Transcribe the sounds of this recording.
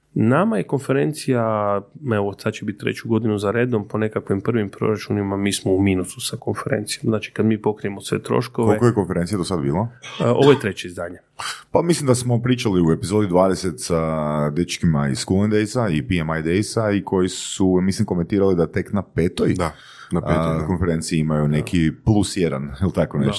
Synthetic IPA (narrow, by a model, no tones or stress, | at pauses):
namajeko̞nfe̞ɾe̞nt̪sija | eʋosad̪t͡ʃebit̪̚t̪ːɾḛt͡ɕuɡo̞d̪inuzaɾe̞ːd̪o̞mponekakʋimprʋimpɾo̞̰ɾat͡ʃunimamiːsmoumiːnusu̥sako̞nfe̞ɾe̞̰nt̪sijomznaːt͡ʃi̥kad̪miːpo̞kɾijemosʋe̞̰t̪ɾo̰ʃkokʋolekojeko̞nfeɾent̪sijad̪osad̪biːlˠaʔo̰ʋojet̪ɾet͡ɕeizd̪aːɲe | pamislimd̪asmo̞pɾiːt͡ʃaliue̞pizo̞ːd̪id̪ʋaːd̪eset̪sad̪et͡ʃkimaḭskulˠend̪ejsaipiemajd̪ejsaikʰo̞jisumislimko̞ment̪iːɾalid̪at̪e̞knapeːt̪ojd̪a | nako̞nfeɾe̞nt̪siiimajune̞kʰiplˠusjed̪anilˠt̪akoneʃ